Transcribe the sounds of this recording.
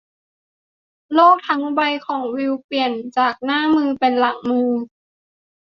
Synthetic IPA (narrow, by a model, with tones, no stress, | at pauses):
loː˥˩k̚t̪ʰa˧˦˥ŋwa˧jkʰɔː˨˩˦ŋwi˧wpli˨˩ənt͡ɕaː˨˩k̚naː˥˩mɯː˧pe˧nla˨˩ŋmɯː˧